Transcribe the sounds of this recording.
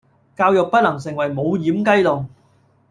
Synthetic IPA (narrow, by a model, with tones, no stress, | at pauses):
kaː˧wjʊ˨k̚pɐ˥t̚lɐ˨˩ŋs̬ɪ˨˩ŋwɐ˨˩jmo˨˧wjiː˨˥mkɐ˥jlʊ˨˩ŋ